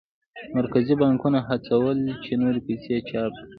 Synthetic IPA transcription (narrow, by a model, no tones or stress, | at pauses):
maɾkazibɑŋkunaɦat͡sawəlt͡ʃenoɾepaset͡ʃɑp̚ki